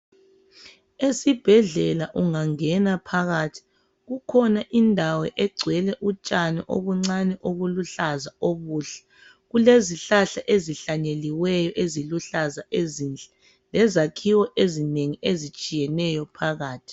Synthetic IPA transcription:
esib̥ʱɛɮɛlaʔuŋaŋɛnapʰaɣatʰi̥ | ɣukʰɔnaʔindʱawɛʔɛɡ͡ǀʱwɛlɛʔut͡ʃʼanɛʔo̰ɣuŋ͡ǀanɛʔoɣuluɬazaoβuːɬɛ̥ | ɣuleziɬaɬaʔeziɬaɲeliwɛjɔʔeziluɬazaʔezind͡ɮɛ | lɛzakʰiwɔʔezineŋiezit͡ʃʼijɛnɛjɔpʰaɣaːtʰi̥

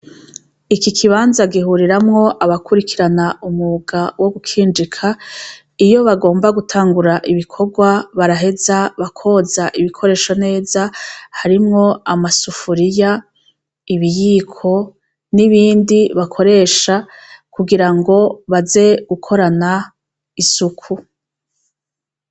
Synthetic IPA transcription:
ikikʰiβaːnzaɡiɦuɾiɾamŋo̞ʔaβakuɾikʰiɾanaumuɡawo̞ɡukʰiːnd͡ʒikʰa | ijo̞βaɡo̞ːmbaɡutʰaːŋɡuɾaʔiβikʰoɡwaβaɾaɦe̞zaβakʰo̞zaʔiβikʰo̞ɾe̞ːʃone̞ːzahaɾimŋo̞amasufuɾija | iβijiːkʰo̞ | niβiːndiβakʰo̞ɾe̞ːʃa | kuɡiɾaŋɡo̞βaze̞ɡ̥ukʰo̞ɾana | isukʰu

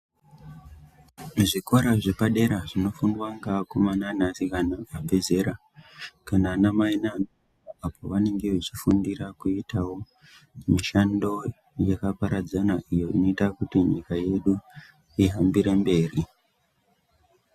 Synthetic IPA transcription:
ʐikoɾaʐe̞paɗe̞ɾaʐino̞funwaŋɡakomananasikanaabʱe̞ze̞ɾa | kananamainano | apʰo̞ʋane̞ŋɡe̞ʋet͡ʃifundiɾakuitawo̞ | miʃando̞ | jakapaɾad͡zanaʔijo̞ino̞itakutiɲikaje̞ɗu | iɦambiɾe̞mbe̞ːri

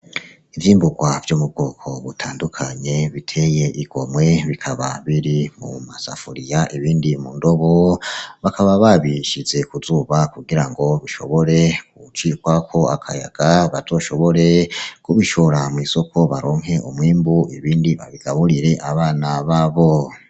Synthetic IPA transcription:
ivjiːmbuɡwavjomub̚ɡ̥oːkʰo̞βutʰaːndukʰaɲe̞βitʰe̞je̞ʔiɡ̥o̞mwe̞βikʰaβaβiɾimṵmasa̰fuɾijaʔiβiːndimundo̞βoβakaβaβaβiʃize̞kuzuːβakuɡiɾaŋɡo̞βiʃo̞̰βo̞ɾe̞kut͡ʃikwakʰo̞akʰa̰ja̰ɡ̥aβaz̥o̞ʃo̞βo̞ɾe̞kuβiʃo̞ɾamwiːso̞kʰo̞βaɾoːŋ̥ɦe̞ʔumwiːmbuiβiːndiβa̰βiɡ̥aβuɾiɾe̞ʔaβaːnaβaːβo̞

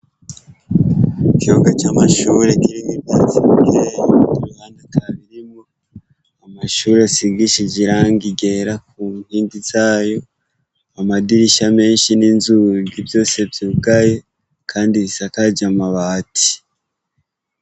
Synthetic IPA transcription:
ikioɡat͡ʃaːmaʃuːɾekiɾimibjaːt͡siβiɡiɾetuɾuhaːndataβiɾimo | amaʃuːɾeasiɡiʃid͡ʒiɾaːŋɡiɡe̞ɾakumhiːndiz̥aːjo̞ | amadiɾiʃame̞ːnʃininzuɡibjo̞ːse̞bjiuɡaje̞ | kʰaːndiβisakad͡ʒamaβaːtʰi̥

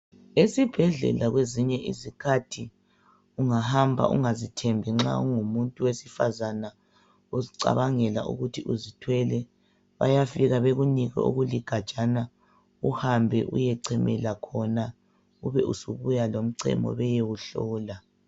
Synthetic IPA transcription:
esib̥ʱɛɮɛ̰laɣweziɲɛʔizikʰatʰi | uŋahambʱa̰ʔṵŋazitʰɛmbʱɛŋ͡ǁa̰uŋumuntʼuwesifa̰zana | oziǀa̰βaŋɛla̰ʔṵɣutʰiʔuzitʰwɛlɛ | βa̰jafiɣaβeɣuniɣɛ̰o̰ɣuliɡ̥ʱḁt͡ʃʼana | uhambʱɛ̰ʔṵjɛǀʰɛmɛlakʰɔna | uβɛʔusuβujalom̩ǀɛ̰mɔ̰βɛjewuɬɔːla

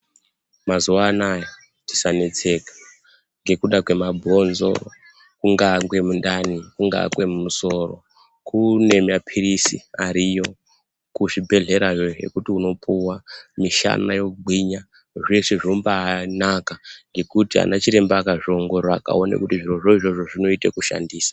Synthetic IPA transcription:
mazuʋaːnaje | tisane̞t͡se̞kḁ | ŋɡe̞kuɗakwe̞mabʱo̞nzo̞̰ | kuŋɡakwe̞mundanikuŋɡa̰ɡwe̞mumuso̞ro̞̰ | kune̞mapʰiɾisḭaɾijo̞ | kuʐibʱe̞ɮe̞ɾaʐo̞ɦe̞̰kutiuno̞pʰuwamiʃa̰najo̞kuɡ͡bʱwiɲa | ʐeʂeʐombaːnakaŋɡe̞kutia̰nat͡ʃiɾe̞mbaːkaʐo̞ŋɡo̞ɾaaka̰o̞nḛkutiʐiro̞ʐo̞iʐo̞ʐo̞ʐino̞itḛkuʃa̰ndiːsḁ

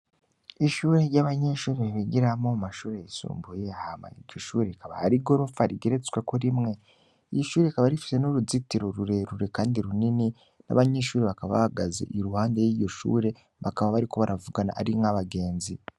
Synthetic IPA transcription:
iʃuːɾeɾɟaβaɲeʃuːɾeβiβiɡiɾamoumaʃuːɾejisṵːmbujeahama̰ḭɾɟo̞ʃuːɾekaβahaɾiɡo̞ɾufaɾiɡeɾet͡skwe̞ko̞ɾimŋe̞ | iiʃuːɾeikaβaɾifi̥se̞noɾuzitiɾo̞ɾuɾe̞ɾuɾe̞kaːndiɾunini | na̰βaɲe̞ʃuːɾeβakaββa̰haɡazḛʔiɾuhaːndejiːɾɟo̞ʃṵːɾe̞ | βakaβaβaɾiko̞βaɾavuɡana̰ʔaɾiŋaβaɡe̞ːnzi

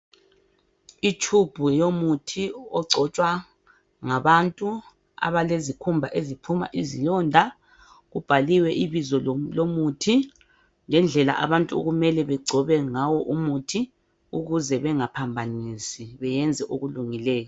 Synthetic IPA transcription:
itʰub̥ʱujomutʰiɔɡ͡ǀʱɔt͡ʃʼwa | ŋaβantʼu | a̰βalezikʰumbʱaʔezipʰuma̰ʔizilɔndʱa | ɣub̥ʱaliwɛʔiβizɔlomutʰi | ŋɛnd͡ɮʱɛla̰ʔa̰βantʼuo̰ɣumɛlɛβɛɡ͡ǀʱɔβɛŋawɔʔumutʰi | uɣuzɛβɛŋapʰambʱanisiβɛjɛnd͡zʱɛʔoɣuluŋilɛːjɔ

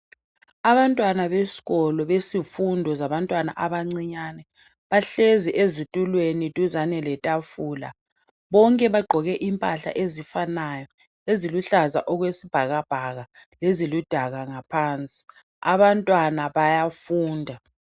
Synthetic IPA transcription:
aβantʼwanaβesi̥ɣɔlɔβesifundʱɔzaβantʼwana̰ʔaβaŋ͡ǀiɲanɛ | βaɬeziʔezutʼulwenitʼuzanɛlɛtʼafuːla̰ | βɔŋkʼɛβaɡ͡ǃʱɔɣɛʔimpʼaɬa̰ʔezifanajɔ | eziluɬaza̰ʔɔɣwesib̥ʱaɣab̥ʱaɣa | lezilud̥ʱaɣaŋapʰaːnt͡sʼi̥ | a̰βantʼwanaβajafuːndʱa

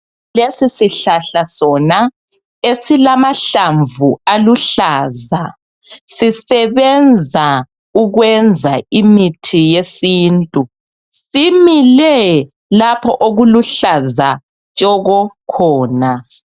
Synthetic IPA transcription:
lesisiɬaɬasɔna | esilamaɬaɱvualuɬaːza | sisɛβɛnd͡zʱa | uɣwɛnd͡zʱaimitʰijesiːntʼu | similɛ | lapʰɔʔoɣuluɬaza | t͡ʃʼɔɣɔkʰɔːna

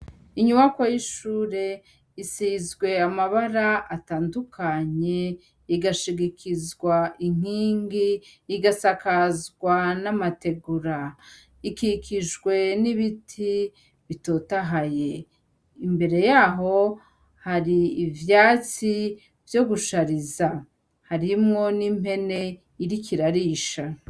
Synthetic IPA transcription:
iɲuβakojiʃuːɾe̞ | isizɡwe̞amaβaɾaʔataːndukʰaɲe̞ | iɡaʃiɡikʰizɡwaʔiŋ̥iːŋɡiːɡasakazɡwanamate̞ɡuɾa | ikikʰiʒɡwe̞niβitʰi | βito̞taɦaje̞ | imbe̞ɾe̞jaːɦo̞ | haɾiːvjaːt͡si | vjo̞ɡuʃaɾiza | haɾimŋo̞nime̞ne̞ | iɾikʰiɾaɾiʃa

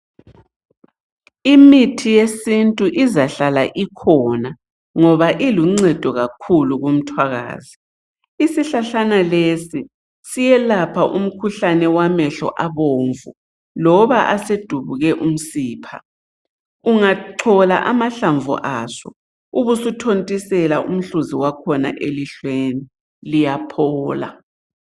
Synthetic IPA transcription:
imitʰijesintʼuʔizaɬala̰ʔikʰɔna | ŋɔβaʔiluŋ͡ǀɛd̥ʱɔɣakʰuluɣum̩tʰwaɣa̰ːz̥i | isiɬaɬanalesi | sijɛlapʰaʔum̩kʰuɬanɛwamɛɬɔ̰ʔaβoːɱvṵ | lɔβaʔased̥ʱuβuɣɛʔum̩siːpʰa̰ | uŋaǁʰɔla̰ʔamaɬaɱvṵʔasɔ̰ | uβusutʰontʼisɛlaʔum̩ɬuziwakʰɔna̰ʔeliɬweni | lijapʰɔːla̰

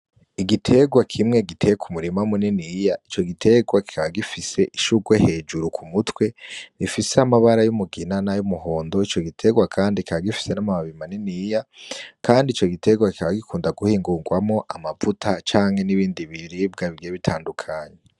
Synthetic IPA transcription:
iɡitʰe̞ɡwakʰimŋe̞ɡitʰe̞jekʰumuɾimamuninijait͡ʃo̞ɡitʰe̞ɡwaki̥kʰaβaɡifise̞ʔiʃuɡwehe̞d͡ʒuɾukʰumutwe̞ifiseamaβaɾajumuɡinanajumuɦo̞ːndo̞it͡ʃo̞ɡitʰe̞ɡwakʰaːndikikaβaɡifi̥se̞namamaβimaninijakʰaːndiːt͡ʃo̞ɡitʰe̞ɡwaki̥kaβaɡikʰuːndaɡuhiːŋɡuːŋɡwamŋo̞ʔamavutʰat͡ʃaːŋ̥he̞niβiːndiβiɾib̚ɡaβiɡieβitʰaːndukʰaːɲe

